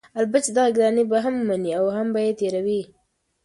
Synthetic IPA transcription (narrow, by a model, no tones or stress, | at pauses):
albat͡ʃed̪aɣaɡɾɑnebaɦamːaniawɦambajet̪eɾawi